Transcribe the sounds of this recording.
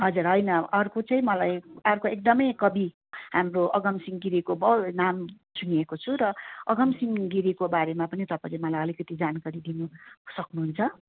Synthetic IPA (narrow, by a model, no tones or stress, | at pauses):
ɦʌd͡zurɦʌjnʌʌrkot͡sʌĩmʌlajʌrkoek̚d̪ʌmʌjkʌbi | ɦamroʔʌɡʌmsiŋɡiɾikobʌnam | suniekot͡sʰuɾʌʌɡʌmsiŋɡiɾikobaɾemapʌnit̪ʌpãlemʌlajʌlikʌt̪id͡zankaɾid̪inusʌknuɦunt͡sʰʌ